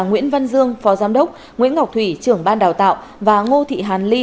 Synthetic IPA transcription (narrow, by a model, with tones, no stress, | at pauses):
ŋwḭ˧˥ənvə˧nzɨ˧əŋfɔ˨˦zaː˨˦mɗə˦˥wk͡p̚ | ŋḭ˧˥ənŋa˨˩wk͡p̚t̪ʰwi˧˩t͡ɕɨ˨˧˩əŋɓaː˧nɗaː˨˩wt̪a̰ː˧˨w | vaː˨˩ŋo˧t̪ʰḭ˧˨ɦaː˨˩nli˧